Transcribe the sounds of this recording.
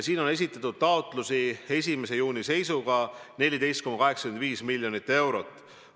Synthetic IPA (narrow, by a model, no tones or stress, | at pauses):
siːno̞ne̞s̬ʲit̪ːˑɑt̪ːˑud̪̥̚t̪ɑot̪ˑlusie̞s̬ʲime̞se̞juːnise̞jsuɡ̥ɑne̞lʲid̪ejst̪ko̞mːɑkɑɦeksɑ̥kyend̪viːsmilʲːjo̞nit̪ːe̞wɾo̞t̪ːˑ